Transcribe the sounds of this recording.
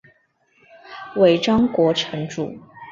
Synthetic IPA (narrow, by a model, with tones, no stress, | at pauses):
we˨˩ɪʈ͡ʂɑ˥ŋkwɔ˧˥ʈ͡ʂʰə˧˥ŋʈ͡ʂṵ˨˩˦